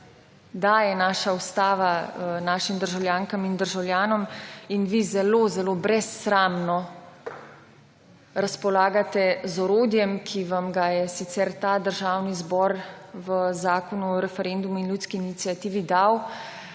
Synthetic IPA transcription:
d̪ajɛnaːʃaust̪aːʋanaːʃimd̪əɾʒawljaːŋkamind̪əɾʒawlʲjaːnɔminʋizɛlozɛlobɾɛsːɾaːmnɔ | ɾaspɔlaːɡat̪ɛzɔɾoːd̪jɛmkʰiʋamɡajɛsit̪sɛɾt̪aːd̪əɾʒaːwnizbɔɾʋəzaːkɔnuɔɾɛfɛɾend̪uminlʲjut̪skiːnit̪sijat̪iːʋid̪aw

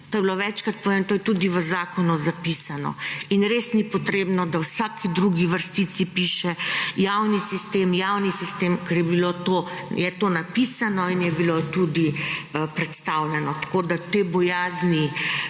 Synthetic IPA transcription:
t̪oːjɛbiloʋɛt͡ʃkat̪̚poʋent̪oːjɛt̪ud̪iʋəzaːkɔnuzapisanɔ̰inɾesnipɔt̪ɾeːbnɔd̪awsaːkʰid̪ɾuɡiʋəɾst̪it̪sipiʃɛjawnisist̪eːmjawnisist̪emkɛɾjɛbilot̪ojɛt̪onapisanɔinjɛbilot̪ud̪ipɾɛt̪st̪awlɛnɔt̪ḁkod̪at̪ebɔjaːzni

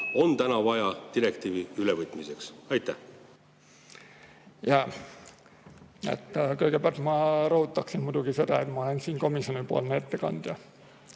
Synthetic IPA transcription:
o̞nt̪ænɑvɑjɑt̪iɾekt̪iːviylevɤt̪ˑmiseksɑjt̪ːˑæh | jɑ | ḛt̪ːkɤikeb̥ɑrt̪mɑrout̪ːɑksimmut̪uɡiset̪æet̪mɑɑnensiːŋkomisjonipuo̰lnet̪ːekɑ̰nt̪jɑ

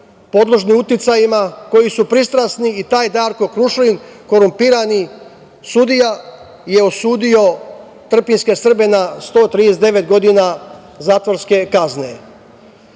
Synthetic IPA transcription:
po̞d̪loʒniut̪it̪sajimako̞jisupɾist̪ɾasniit̪aːjd̪aːɾkokɾuʃlinko̞ɾumpiːɾani | sud̪ija | je̞osuːd̪io̞ | t̪r̩pinskesr̩be̞nast̪o̞ːt̪ɾid̪esed̪e̞ʋet̪ɡo̞d̪ina | zaːt̪ʋoɾske̞kazne̞̰

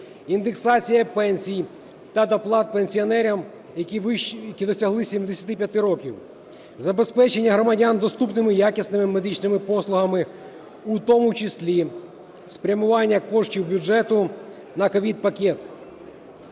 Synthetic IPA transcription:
ind̪eksɑt͡sʲijɐpɛnʲsʲij | t̪ɐd̪ɐplˠɑt̪̚penʲsʲiɔnɛɾʲɐm | jɐjɐkʲid̪ɔsʲɐɦlˠɪsʲimd̪esʲɐt̪ɪpʲjɐt̪ɪɾɔkʲiw | zɐbe̞spɛt͡ʃe̞nʲːɐɦɾɔmɐdʲand̪ɔst̪upnɪmɪjakʲisnɪmɪme̞d̪ɪt͡ʃnɪmɪpɔslˠʊɦɐmɪ | ut̪ɔmʊt͡ʃɪsʲlʲi | spɾʲɐmʊʋɑnʲːɐkɔʃtʲiwbʲʊd͡ʒɛt̪ʊ | nɐkɔʋʲid̪̚pɐkʲɛt̪

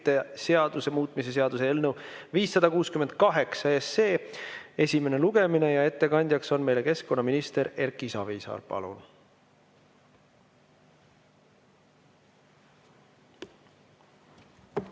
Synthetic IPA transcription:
t̪ːe̞se̞ɑd̪use̞muːt̪mise̞s̬e̞ɑd̪̥useelnəwviːsːɑd̪̥ɑkuːskymen̥̚kɑɦe̞ksɑeseːe̞sʲime̞ne̞luɡ̥e̞mine̞jɑe̞t̪ːe̞kɑnʲd̪̥ʲjɑkso̞nme̞jle̞ke̞sko̞nːɑminist̪e̞ɾe̞ɾkːˑisɑ̰viːsɑ̰ːrpɑ̰lṵn

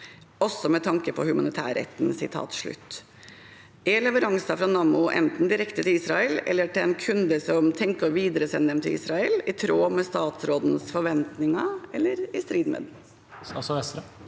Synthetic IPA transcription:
ɔsːɔmɛt̪ʰɑŋkəpʰɔhʉmɑnɪt̪ʰæ̰ːɾɛ̰t̪ːnsɪt̪ʰɑ̰ːt̪ʂɭʉ̰t̪ː | ɛlɛʋəɾɑŋsɑfɾɑnɑːmʊʔɛ̰nt̪n̩d̪ɪɾɛkt̪ət̪ʰɪliːsɾɑəlɛ̰lːəʈɪlɛnkʰʉnd̪əsɔmt̪ʰɛŋkəɾʋiːd̪əɾəsɛnːəd̪ɛmt̪ʰɪlḭːsɾɑɛlɪt̪ʰɾoːmɛst̪ɑːt̪sɾoːd̪n̩sfɔɾʋɛnt̪nɪŋɑɛlːəɾɪst̪ɾiːd̪mḛd̪ | sɔɛsɾ

